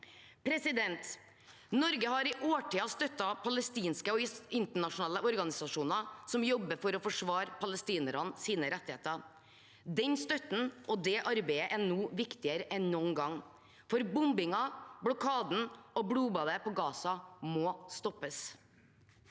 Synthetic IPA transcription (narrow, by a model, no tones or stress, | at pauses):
pʰɾɛsɪd̪ɛnt̪ | nɔɾɡəɦɑɾɪʔoːʈiːɑst̪œt̪ːɑpʰɑləst̪iːnskəɔɪnt̪əɳɑʂnɑːləʔɔɾɡɑnɪsɑʂuːnɑsɔmjɔbːəfɔɾɔfɔʂʋɑːɾpʰɑləst̪iːnəɾɑnsiːnəɾɛt̪ːɪhḛːt̪ə | d̪ɛnst̪œt̪n̩ʔɔd̪ɛʔɑɾbɛɪəʔænuːʋɪkt̪ɪəɾəʔɛnnɔnɡɑŋː | fɔɾbʊmbɪŋɑbɽɔkʰɑːd̪n̩ɔbɽuːbɑd̪əpɔɡɑːsɑmoːst̪ɔpːəs